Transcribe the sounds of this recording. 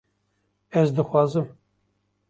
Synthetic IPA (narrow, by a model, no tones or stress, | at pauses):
ɛzd̪ɨxʷɑːzɨm